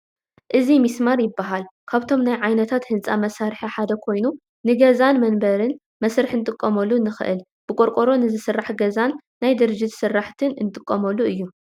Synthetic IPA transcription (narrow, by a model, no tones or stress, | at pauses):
ʔɨzimismaɾjɪbːaɦalkʰaβt̪ʰo̞mnajʕajnɐt̪ʰat̪hɨnsʼamɐsaɾħaħad̪ɐkʰo̞jnu | nɨɡɐzanmɐnbɐɾɨn | mɐsɾɨħɨnɨt̪ʼɨkʼːɐmɐlːunːɨxɨ̰ʔɨ̰l | b̥ɨkʷʼoɾkʼoɾo̞nɨzɨsɨrːaħɡɐzanː | ajd̪ɨɾɨd͡ʒːɪt̪sɨrːaħt̪ʰɨnɨnt̪ʼɨkʼːɐmɐlːuɨjːu